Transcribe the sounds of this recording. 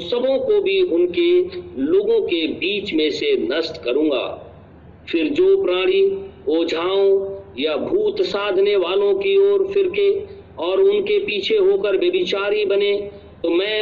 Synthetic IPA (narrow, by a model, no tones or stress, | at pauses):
sɐbõkobʱiʔʊnkeloːɡõkebiːt͡ʃmẽsenəst̪kɐɾũːɡa̰ː | fʰɪɾd͡ʒoːpɾãːɽ̃i | oːd͡ʒʱaːõjabʱuːt̪saːd̪ʱneʋaːlõkioːɾfɪɾke | ɔːɾʊnkepiːt͡ʃʰeɦoːkəɾʋjɐbɪt͡ʃaːɾibəne | t̪omɛ̃ː